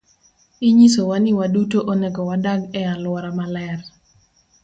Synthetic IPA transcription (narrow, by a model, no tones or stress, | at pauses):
iɲisowanɪwadutoʔoneɡɔwadaɡɛalwɔɾamalɛr